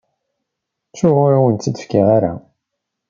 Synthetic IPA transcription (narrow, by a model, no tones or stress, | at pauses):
sʊʁʊɾawənt̪ːid̪ə̥fkɪʁaɾa̰